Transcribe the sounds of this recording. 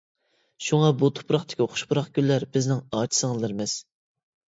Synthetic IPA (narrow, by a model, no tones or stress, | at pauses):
ʃuŋɑbut̪ʰo̥pɾɑχt̪ʰɪ̥kʲioχʰʊ̥ʃpʊɾɑχɡʲylːæɾbɪznɪŋɑːt͡ʃʰi̥sɨŋɨzlˠɨɾmɪz̥